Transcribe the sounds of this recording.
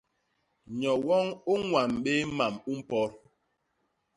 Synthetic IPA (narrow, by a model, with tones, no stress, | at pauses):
ɲɔ˨wɔ˦ŋu˦ŋwa˨mɓe˦ma˨mu˦m̩˦pɔ˦ɾ